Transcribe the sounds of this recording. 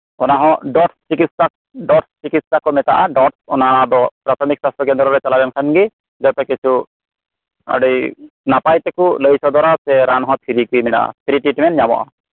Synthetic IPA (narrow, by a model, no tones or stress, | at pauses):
ɔnaɦɔ̃ɖɔʈst͡ʃikit̪sak̚ɖɔʈst͡ʃikit̪ssakɔmɛt̪aʔaɖɔʈsɔnaɽad̪ɔpɾat̪ʰɔmik̚sast̪ʰɔkɛnd̪ɔɾɔɾɛt͡ʃalabɛmkʰanɡi | zɔt̪ɛkisʰu | a̰ɽi | napajt̪ɛkuləjsɔd̪ɔɾasɛɾanɦɔ̃t̪ʰiɾikujmɛna̰a̰t̪ʰiɾiʈiʈmɛnɲamɔ̰ʔa̰